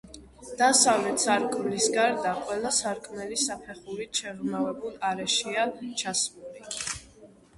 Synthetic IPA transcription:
d̪̥asavlɛt̪saɾkʼmlisɡaɾd̪aqʼwɛlˠasaɾkʼmɛlisapʰɛχuɾit͡ʃʰɛɾumavɛbulˠaɾɛʃiat͡ʃʰasmuli

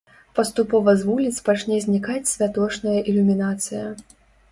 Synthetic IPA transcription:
pɐst̪upɔvɐzvulʲit̪spat͡ʂnʲɛzʲnʲikat͡sʲsʲvʲat̪ɔt͡ʂnɐjɐʔilʲumʲinat̪sɨjɐ

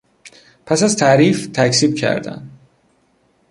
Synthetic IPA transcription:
pʰæsæzt̪ʰæːɾift̪ʰæcʰsiːbcʰæ̰ɾd̪æ̰nd̪

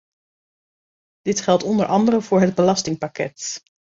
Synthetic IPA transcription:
d̥ɪtχɛlˠtɔndəɹʔɑndərəv̥ʊːɹɦəd̚bəlɑstɪŋpakɛ̰t

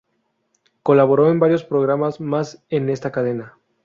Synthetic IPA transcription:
ko̞laβoɾo̞e̞mbaɾjo̞spɾo̞ɣɾamazmase̞ne̞st̪akaðe̞na

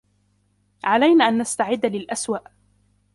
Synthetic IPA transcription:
ʕalajnaːʔanːast̪aʕɪd̪ːalɪlʔaswaʔ

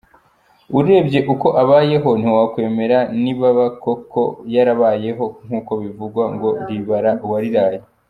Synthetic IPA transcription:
uɾe̞ːbɟe̞ʔuko̞ʔaβaːje̞ɦo̞n̥iwakwe̞ːme̞ɾaniβaβako̞ko̞jaɾaβaːje̞ɦo̞ŋ̥uːko̞βivuɡwaŋɡo̞ɾiβaɾawaɾiɾaːje

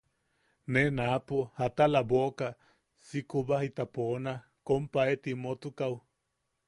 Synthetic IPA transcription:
nenapohat̪alaboka | sikubahit̪apona | kompaet̪imot̪ukau

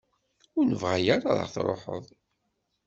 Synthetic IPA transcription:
ʊɾnəvʁæjaɾa̰ðˤə̰ʁθɾˤo̰ħə̰ðˤ

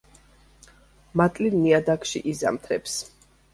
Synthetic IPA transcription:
mat̪ʼlinniad̪akʰʃḭʔiza̰mt̪ʰɾɛps

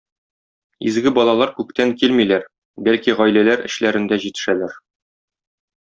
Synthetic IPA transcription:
izɡɘbɒlˠɑlˠɑɾkʉk̚t̪æŋkilmilæɾ | bælkiʁɒjlælæɾɘ̰̆ɕlæɾɘ̆nd̪æʑit̪ɘ̥̆ʃælæɾ

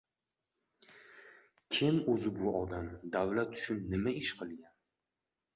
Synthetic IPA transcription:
kʲʰɪmɵzɪbʊɒd̪amd̪awlat̪ʰːʊ̥t͡ʃʰʊnːɪmaɪʃqʰɨlˠɡʲan

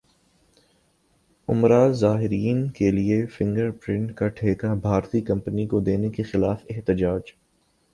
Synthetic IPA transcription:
ʊ̰mɾaːzaːɦɪɾiːnkeliefɪ̃ŋɡəɾpɾɪ̃ɳʈkaʈʰeːkabʱaːɾt̪ikɐ̃mpənikod̪eːnekexɪlaːfɪɦt̪ɪd͡ʒaːd͡ʒ

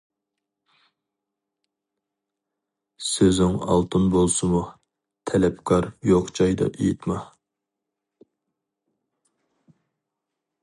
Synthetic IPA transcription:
søzɪŋɑ̰lˠt̪ʰɨnbolˠsɨmu | t̪ʰɛlɛpkʰɑɾjoqt͡ʃʰɑjd̪ɑ̰ʔejit̪mɑ

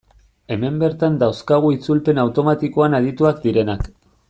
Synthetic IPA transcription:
e̞me̞mbe̞ɾt̪and̪awskaɣ̞uit͡sulpe̞nawt̪o̞mat̪iko̞anaðit̪uakd̪iɾe̞nak

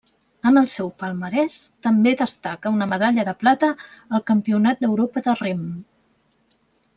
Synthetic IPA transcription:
ənəlˠsɛwpəlˠməɾɛst̪əmbeðəst̪akəunəməðaʎəðəplat̪əːlˠkəmpiunat̪̚d̪əwɾopəðərem

